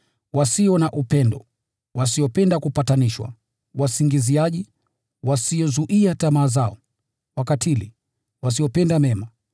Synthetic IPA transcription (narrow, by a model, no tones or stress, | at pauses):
wasiɔnaʔupɛndɔ | wasiɔpɛndakupataniʃwa̰ | wasiŋɡiziaʄi | wasiɔzuʔiatamaːzaɔ̰ | wakatʰilḭ | was̬iɔpɛndamɛma